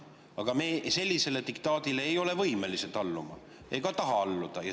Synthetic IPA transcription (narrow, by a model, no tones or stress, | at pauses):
ɑɡ̥ɑmese̞lʲːise̞le̞t̪ikt̪ɑːd̪̥ile̞ejo̞le̞vɤjme̞liset̪ɑlːumɑ̰ | eɡ̥ɑt̪ɑɦɑɑlːud̪̥ɑjɑ